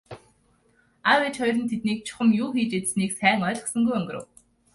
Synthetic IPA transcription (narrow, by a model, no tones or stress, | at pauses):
aweːt͡ɕχɔjɾɘ̆nt̪ʰet̪̚niːk̚t͡ɕʰʊ̥χə̆mjuːxiːt͡ɕet͡s̪sniːksæːŋɔːɮ̆χsə̆ŋɡujœŋɡɵ̆rə̰̆w